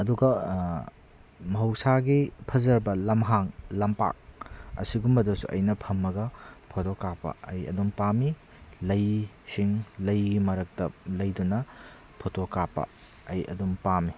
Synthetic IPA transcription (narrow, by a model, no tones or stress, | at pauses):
ɐduɡɐ | mɐɦɐwsaɡipʰɐzɐɾbɐlɐmɦaŋlɐmpa̰k̚ɐ̰siɡumːɐdusṵʔɐ̰jnɐpʰɐmːɐɡɐpʰotokapɐ̰ɐjɐ̰dumpami | lɐj | siŋlɐjɡimɐɾɐk̚tɐlɐjdunɐ | pʰotokapɐ̰ | ɐjɐ̰dumpami